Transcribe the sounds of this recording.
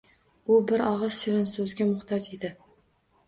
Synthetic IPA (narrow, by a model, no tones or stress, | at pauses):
ʊbɪɾɒʁɨz̥ʃɪɾɪnsɵzɡʲamʊχt̪ʰɒd͡ʒed̪ɪ